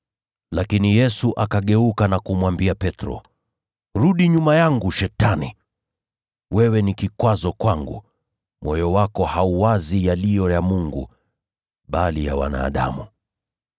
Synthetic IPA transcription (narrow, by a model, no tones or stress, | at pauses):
lakinijɛsuʔakaɠɛukanakumwambiapɛtɾɔ̰ | ɾuɗiɲumajaŋɡuʃɛtanḭ | wɛwɛnikikwazɔkwaŋɡṵ | mɔjɔwakɔhauwazijalijɔjamuŋɡṵ | ɓalija̰wa̰na̰ːɗa̰mu